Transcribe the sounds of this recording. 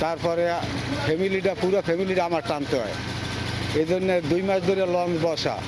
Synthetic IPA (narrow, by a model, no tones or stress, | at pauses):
t̪aɾpɔɾepʰemiliʈapuɾofʰemiliʈaamaɾʈant̪oɦɔ̰e | ed͡ʑʱonːeɾd̪ujmat͡ɕd̪ʱoɾelɔmbɔʃa̰